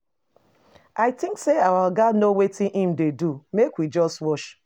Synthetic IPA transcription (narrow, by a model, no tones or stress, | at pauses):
aɪtɪ̃ŋkseawaɡanowetĩʔĩm̩dedumekwid͡ʒɔstwɔʃ